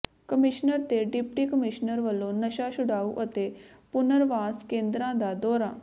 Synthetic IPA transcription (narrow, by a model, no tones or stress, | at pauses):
kəmɪʃnəɾt̪eːɖɪpʈiːkəmɪʃnəɾʋəlːõːnəʃaːʃʊɽaːṵːʔət̪eː | pʊnəɾʋaːskẽːnd̪ɾãːd̪aːd̪ɔːɾa̰ː